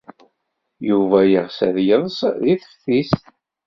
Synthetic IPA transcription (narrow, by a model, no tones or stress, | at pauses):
juvæjəʁsæðjəðˤsðiθə̥fθisθ